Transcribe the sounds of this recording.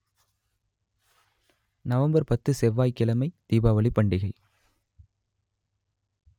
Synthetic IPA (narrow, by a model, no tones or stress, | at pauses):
nɐʋɐmbɐɾpɐt̪ːɯsɛʋːaːjkːɪlɐmɐɪt̪iːbaːʋɐɭɪpːɐɳɖɪɣɐɭ